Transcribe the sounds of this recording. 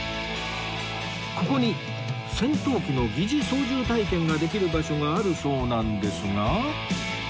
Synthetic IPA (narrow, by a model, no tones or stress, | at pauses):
ko̞ko̞ɲ̟i | sẽ̞nt̪o̞ːkʲino̞ɡʲiʑiso̞ːʑɨːt̪aikẽ̞ŋɡad̪e̞kʲiɾɯ̟baɕo̞ɡaːɾɯ̟so̞ːnãnd̪e̞sɨŋa